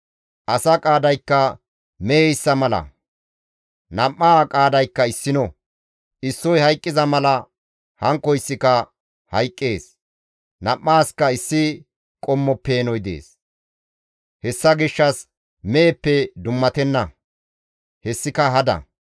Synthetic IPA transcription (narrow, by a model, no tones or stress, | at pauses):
ʔɐsɐkʼaːd̪ɐjkːɐ | meːjsːɐmɐlɐ̰ | nɐmːaːkʼaːd̪ɐjkːɐɪsːɪnɔ | ʔɪsːɔjhɐjkʼːɪzɐmɐlɐ | hɐŋkːɔɪsːɪkɐ | hɐjkʼːeːs | nɐmːaːskɐɪsːɪ | kʼɔmːɔpːe̞ːnɔjd̪ḛːs | hɛsːɐɡɪʃːɐs | mɛːpːɛd̪ʊmːɐt̪ɛnːɐ | hɛsːɪkɐɦɐd̪ɐ̰